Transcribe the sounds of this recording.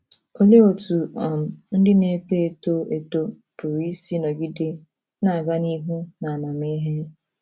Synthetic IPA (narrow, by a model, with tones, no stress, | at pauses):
o˦le˦o˨tu˨ɔ˨m̩˨n̩˦dɪ˦ne˦te˦e˦˨to˦e˨to˦ | pʊ˨ɾi˦si˦nɔ˨ɡi˦de˦ | na˨a˨ɡa˦ni˦ɦu˦na˨a˨na˨m˦i˦ɦe˦